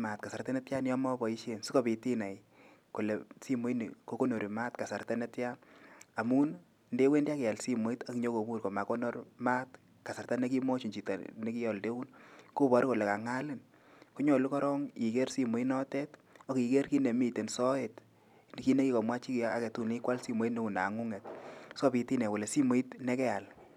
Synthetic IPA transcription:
ma˨t̚ka˨sa˨rtɛ˦nɛ˦tja˦njɔ˦mɔ˦bɔ˨i˦ʃe˦nsi˦ko˨pi˨ti˦na˨j | ko˨le˨si˦mo˦i˦n̰˨ko˦ko˦no˨ɾi˨ma˦tka˨sa˨rta˦ne˦tja˦na˨mu˦n | nde˦we˦ndi˦a˦kɛ˨a˨lsi˦mo˨˦i˦ta˨kɲo˦ko˨bu˦rko˨ma˨ko˦no˦rma˦t | ka˨sa˨ɾta˦ne˦ki˦mo˦t͡ʃi˨t͡ʃi˨ta̰˨ne˦ki˦jɔ˨lde˦u˦nku˦βɔ˨ɾko˨le˨ka˨ŋa˦lɪ˦n | ku˦ɲɔ˨lu˦kɔ˦ɾɔ˦ŋi˨ke˦rsi˦mo˨˦i˦nɔ˦tɛ˦t | o˦ki˨ke˦rki˦ne˨mi˦˨te˨nsɔ˦e˨t | n˨ki˦ne˦ki˦kɔ˨mwa˦t͡ʃi˦ka˨kɛ˨tu˦˨ne˦kwa˦lsi˦mo˨˦i˦tne˦u˨na̰˨ŋu˦ŋɛ˨t̚sɔ˦pi˨ti˦nɛ˨wo˨le˨si˦mo˨i˦tnɛ˦kɛ˦a˨l

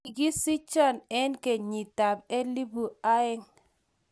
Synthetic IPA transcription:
ɡi˦si˦t͡ʃɔ˦˨nɛ˦nke˨ɲi˨ta˨be˦li˦bu˨a˦ɛ˦ŋ

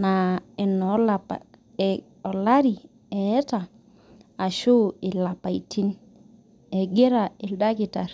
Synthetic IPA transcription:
na˨ɛ˨nɔ˦la˨p | ɔ˨la˦ɾi˨ | ɛ˨ɛ˦ta˨ | a˨ʃo˦ɪ˨la˨pa˨ḭ˨tʰi˦n | ɛ˨ɡe˦ɾa˨i˨lda˦ki˨ta˨ɾ

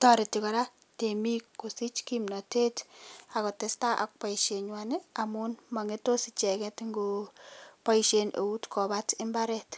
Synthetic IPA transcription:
tɔ˦ɾe˨tikɔ˨ɾa˦ | te˨mi˦kːo˨si˦t͡ʃkimnɔ˨te˦ta˨kɔ˨te˦sta˦ʔa̰˨k̚pa˨iʃe˨ɲwa˨ne˦a˨mu˦nma˨ŋe˦to˦sit͡ʃɛ˨kɛ˦tŋɡo | pa˦iʃe˨nḛ˨u˦tkʰɔ˨ba˦tɪ˦mba˦ɾɛ˨t

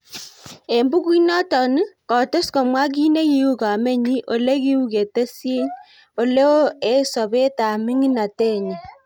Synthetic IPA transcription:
e˨mbu˦kwi˦nɔ˦tɔ˨ni˦kɔ˨to˦sko˨mwa˦k̬i˦ne˦ki˦u˦ka˨me˦ɲi˦ʔo˨le˦ki˦u˦ke˨te˦se˦ɲ | o˨le˦o˦e˦so˨βe˦ta˨mi˦ŋi˦na˨te˦˨ɲe˨

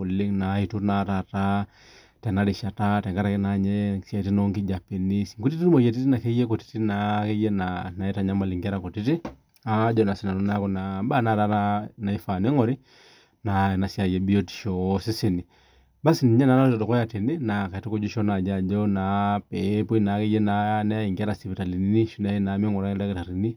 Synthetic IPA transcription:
ku˨li˦ŋnai˨tu˦ɾnata˨ta | tɛ˨na˦ɾi˨ʃa˨ta˦tɛ˨ŋɡa˦ɾakɛ˦na˨ɲɛsa˨ti˦nɔ˦ŋki˦d͡ʒa˨pɛ˨ni˦siŋku˦ti˦ti˦nu˦mɔ˨jɛ˨t̬i˦ti˦na˨kɛ˦jɛ˦kɔ˨ti̥ti˦nakɛ˦jɛ˦nana˨ɛ˦ta˨ɲa˦ma˨li˨ŋɡa˦ɾa˨kɔ˨ti˦ti˦ | a˦d͡ʒɔ˦na˨si˨na˨nɔ˦na˦kɔ˨naba˦na˦ɾa˦nana˨i˦fa˨nɛ˦ŋɔ˨ɾi˦ | na˨na˨sja˨jɛ˨bi˦ɔti̥˨ʃɔsi˦si˨ni˨ | ba˦si˨ni˨ɲɛ˦na˨˦na˦tɔ˨tɔ˨kɔ˦ja˨ti˨ni˦na˨ka˨ti˦ku˦d͡ʒu˦ʃɔ˦na˨d͡ʒa˨d͡ʒɔnapɛpu˦i˦na˨˦kɛ˦jɛ˦nanɛ˦i˨ŋɡa˦ɾa˨si˨pi˨ta˨li˨ni˦ni˦ʃu˦na˨ina˨˦mɛ˦ŋɔ˨ɾa˦ɛ˦da˦kɛ˦ta˨ɾi˨ni˦

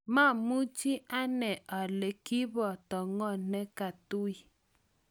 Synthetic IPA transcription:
ma˦˨mu˦t͡ʃi˦ʔa˦nɛ˨ʔa˨le˨ki˦βɔ˨tɔ˨ŋɔ˦˨nɛ˦ka˨tu˦i˦

